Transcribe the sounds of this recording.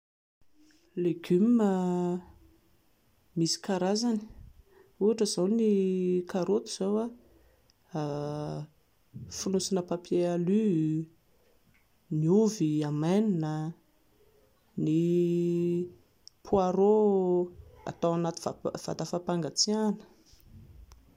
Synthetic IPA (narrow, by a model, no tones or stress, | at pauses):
leɡymːə | misi̥kaɾazani̥ | uaʈ͡ʂəzawnikaɾot̪uz̥owa | a | funusinəpapjealy | niuviamaninə | ni | pʰuaɾo | a̰t̪awanat̪i̥va̰v̥a̰t̪afapaŋɡat͡sianə̥